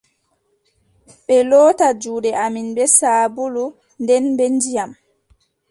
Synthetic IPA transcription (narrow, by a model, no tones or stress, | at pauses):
ɓɛlɔːtad͡ʒuːdɛaminbɛsaːbulu | ndɛnbɛnd͡ʒijam